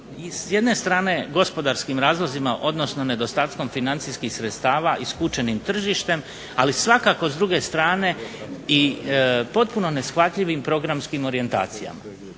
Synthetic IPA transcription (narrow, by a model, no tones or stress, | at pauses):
isje̞d̪ne̞st̪ɾaːne̞ɡo̞spo̞d̪aɾskimɾaːzlˠozimaʔo̞d̪no̞sno̞ne̞d̪o̞st̪aːt̪ko̞mfinant̪sijskixsɾet̪st̪aːʋaiskut͡ʃe̞nimt̪r̩ʒiːʃt̪e̞m | alisʋakako̞zd̪ɾuɡe̞st̪ɾaːne̞ipo̞t̪̚puno̞ne̞sxʋat̪ʎiʋimpɾo̞ɡɾamskimo̞ɾije̞nt̪a̰ːt̪sija̰ma̰